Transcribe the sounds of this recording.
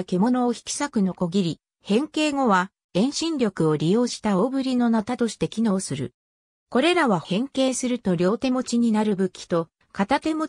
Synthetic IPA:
ke̞mo̞no̞ːçi̥kʲi̥sakɯ̟no̞ko̞ɡʲiɾʲi | hẽ̞ŋke̞ːŋo̞βa | ẽ̞ɰ̃ɕĩnɾʲo̞kɯ̟o̞ɾʲijo̞ːɕi̥t̪aoːbɯ̟ɾʲino̞nat̪at̪o̞ɕi̥t̪e̞kʲino̞ːsɨɾɯ̟̰ | ko̞ɾe̞ɾaβahẽ̞ŋke̞ːsɨɾɯ̟t̪o̞ɾʲjo̞ːt̪e̞mo̞t͡ɕiɲ̟inaɾɯ̟bɯ̟kʲːi̥t̪o̞ | kat̪at̪e̞mo̞

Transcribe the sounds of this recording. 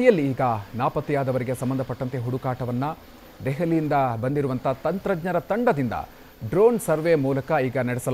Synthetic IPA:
ijɐlːiːɡɐnaːpɐt̪ːijaːd̪ɐʋɐɾiɡe̞sɐmbɐnd̪ʱɐpɐʈːɐnt̪e̞ɦuɽukaːʈɐʋɐnːɐ | d̪ɛɦɐlijind̪ɐbɐnd̪iɾuʋɐnt̪ʰɐːt̪ɐnt̪ɾɐd͡ʒɲɐɾɐt̪ɐɳɖɐd̪ind̪ɐ̰ | ɖɾoːnsɐɾʋemuːlɐkɐiːɡɐnɐɽɛsɐl

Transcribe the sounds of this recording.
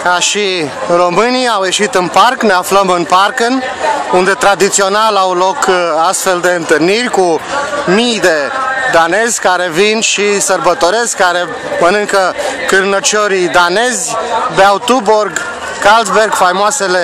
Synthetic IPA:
kaʃiro̞mɨniawje̞ʃit̪ɨnparkneafləmɨnparkɨnund̪e̞t̪ɾad̪it̪sio̞nalawlo̞kast̪fe̞ld̪e̞ɨnt̪ɨrnirʲkumijd̪e̞d̪ane̞zʲkaɾe̞vinʃisərbət̪oɾe̞skkːaɾe̞ | mənɨŋkəkɨrnət͡ʃoɾid̪ane̞zʲbeawt̪uborɡ | kalt̪sberɡfajmoasele

